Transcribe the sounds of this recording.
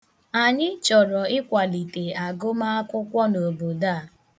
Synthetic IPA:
a˨ɲɪ˦t͡ʃɔ˨ɾɔ˨ɪ˦kʷa˨li˨te˨a˨ɡʊ˦ma˦a˦kʊ˦kʷɔ˦no˨bo˨da˦˨

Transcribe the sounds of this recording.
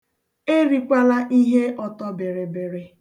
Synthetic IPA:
e˦ɾi˨kʷa˦la˦ʔi˦ɦe˦ʔɔ˨tɔ˦be˨ɾe˨be˨ɾe˨

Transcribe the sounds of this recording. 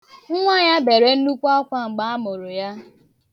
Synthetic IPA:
ŋ̩˦ŋʷa˦˨ɲa˦be˨ɾe˦n̩˦nu˦kʷɔ˦ɔ˦kʷa˦ŋ͡m̩˨ɡ͡ba˦a˦mʊ˨ɾʊ˨ja˦

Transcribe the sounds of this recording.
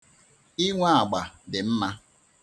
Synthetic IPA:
i˦ŋʷa˦a˨ɡ͡ba˨dɪ˨m̩˦ma˦

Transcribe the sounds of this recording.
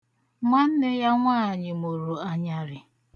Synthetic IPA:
ma˦n̩˦nɪ˦ja˦ŋʷaː˦˨ɲɪ˨mo˨ɾu˨a˨ɲa˨ɾɪ˨

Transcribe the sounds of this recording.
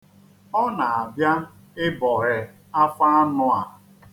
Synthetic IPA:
ɔ˦na˨a˨bja˦ | ɪ˦bɔ˨ɾɪ˨ | a˦fa˦a˦nʊ˦a˨

